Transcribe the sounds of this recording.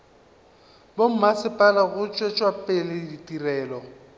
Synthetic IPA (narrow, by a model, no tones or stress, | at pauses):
bom̩masɪpʼalaɣʊt͡ʃʼwet͡ʃʼwapʼelɪditʼirɛːlɔ